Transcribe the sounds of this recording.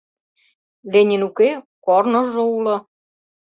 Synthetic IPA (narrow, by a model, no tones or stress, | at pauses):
lenʲinukekornŏʒoulɤ̆